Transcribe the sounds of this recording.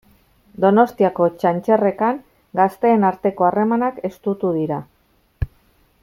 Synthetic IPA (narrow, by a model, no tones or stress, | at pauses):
d̪o̞no̞st̪iako̞t͡ʃant͡ʃe̞re̞kaŋ | ɡast̪e̞ːnaɾt̪e̞ko̞are̞manake̞st̪ut̪uðiɾa